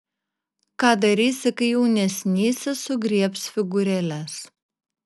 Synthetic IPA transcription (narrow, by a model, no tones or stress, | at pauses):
kɑːd̪ɐɾʲiːsʲɪkɐɪjɛʊnʲɛsʲnʲiːsʲɛsʊɡɾʲiɛpsfʲɪɡʊɾʲɛlʲæs